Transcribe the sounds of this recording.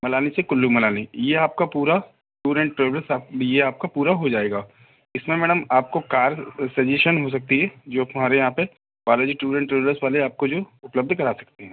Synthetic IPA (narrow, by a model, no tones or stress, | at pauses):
mɐlaːnisekʊlːumɐlaːnijeaːp̚kapuːɾa | ʈuːɾɛ̃ɳʈɾeːʋɾəsaːjeaːp̚kapuːɾaɦod͡ʒaːeːɡaː | ɪsmẽmɛːɽəmaːp̚kokaːɾsɐd͡ʒeːʃənɦos̬ɐk̚t̪iɦɛd͡ʒoːt̪ʊm̤aːɾejɐɦãpe | ʋaːloːd͡ʒiʈuːɾɛ̃ːɳʈɾeːʋɾəsʋaːleaːp̚kod͡ʒoːʊpləb̚d̪ʱkɐɾaːsɐ̥kt̪eɦɛ̃ː